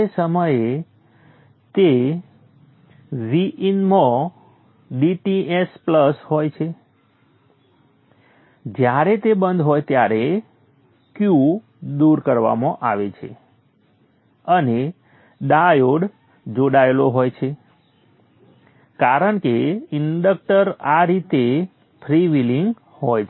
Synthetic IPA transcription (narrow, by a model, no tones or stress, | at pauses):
esəməje | t̪e | ʋiʔinmõ | ɖiʈiespləsɦojt͡ʃʰe | d͡ʒjaɾet̪ebənd̪ɦojt̪jaɾe | kju | d̪uɾkəɾʋa̰mãʔaʋet͡ʃʰḛ | əne | ɖajoɽ | d͡ʒoɽaeloɦojt͡ʃʰe | kaɾəɳkeɪɳɖək̚ʈəɾaɾit̪e | pʰɾiʋiliŋɡ | hojt͡ʃʰ